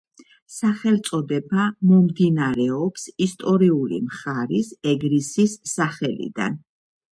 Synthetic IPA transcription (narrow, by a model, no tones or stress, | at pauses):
saχɛlt̪sʼɔd̪ɛbamɔmd̪inaɾɛɔpsist̪ʼɔɾiulḭmχaɾisɛɡɾisisːaχɛlḭd̪a̰n